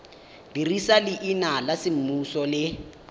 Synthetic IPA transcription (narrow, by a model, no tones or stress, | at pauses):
dirisalɪʔinalasɪm̩musɔlɪ